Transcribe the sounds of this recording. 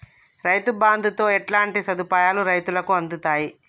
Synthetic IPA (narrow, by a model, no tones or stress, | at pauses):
ɾɐjt̪ubaːnd̪ʱut̪o̞ːɛʈlaːɳʈisɐd̪upaːjaːluɾɐjt̪ulɐkuɐnd̪ut̪aːji